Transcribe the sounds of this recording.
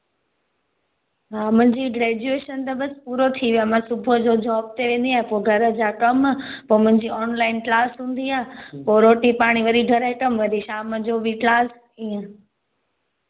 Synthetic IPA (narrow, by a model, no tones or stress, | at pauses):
ɦãmʊ̃ɦɲd͡ʑiːɡɾeːd͡ʑueːʃənt̪əbəspuːɾot̪ʰiʋjãmãsʊbʱəd͡ʑod͡ʑɔːb̚t̪ʰeʋẽːn̆d̪iaːɦẽpoːɡʱɐɾəd͡ʑakɐmpoːmʊ̃ɪ̃ɲd͡ʑiɔːnlaːɪnklaːsɦũːnd̪iaːpoːɾoːʈipaːɽ̃iʋəɾiɡʱəɾekəmʋəd̪iʃaːməd͡ʑobʱiklaːs | ĩː